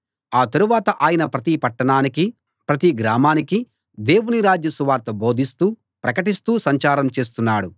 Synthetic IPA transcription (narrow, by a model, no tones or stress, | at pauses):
aːt̪ɐɾuʋaːt̪ɐʔaːjɐnɐpɾɐt̪ipɐʈːɐɳaːniki | pɾɐt̪iɡɾaːmaːniki | d̪e̞ːwuniɾaːd͡ʒjɐsuʋaːɾt̪ɐbo̞ːd̪ʱist̪uː | pɾɐkɐʈist̪uːsɐɲt͡ʃaːɾɐmt͡ʃe̞ːs̬t̪unːaːɽu